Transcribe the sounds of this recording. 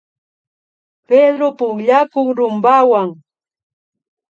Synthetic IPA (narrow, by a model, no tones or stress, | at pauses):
ped̪ɾopʊŋʎakʊŋɾʊmbawaŋ